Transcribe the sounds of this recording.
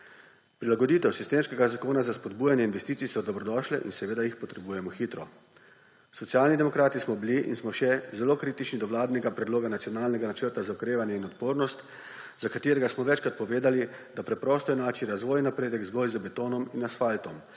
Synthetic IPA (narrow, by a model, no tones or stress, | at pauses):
pɾilaɡɔd̪iːt̪ɛwsist̪eːmskɛɡazakoːnazaspɔd̪bujanjɛinʋɛst̪iːt̪sijsɔd̪ɔbɾɔd̪ɔʃlɛʔḭnsɛʋeːd̪ajixpɔt̪ɾɛbujɛmɔxit̪ɾɔ | sɔt̪sijaːlnid̪ɛmɔkɾaːt̪ismɔbliʔḭnsmɔʃɛzɛlokɾiːt̪it͡ʃnid̪ɔʋlaːd̪nɛɡapɾɛd̪loːɡanat̪sijɔnaːlnɛɡanat͡ʃəɾt̪azaukɾeːʋanjɛinɔt̪poːɾnɔst̪ | zakat̪eːɾɛɡasmɔʋɛt͡ʃkɾat̪pɔʋeːd̪alid̪apɾɛpɾɔːst̪ɔjɛnaːt͡ʃiɾazʋɔːjnapɾeːd̪ɛɡzɡɔjzəbɛt̪oːnɔminasfalt̪ɔm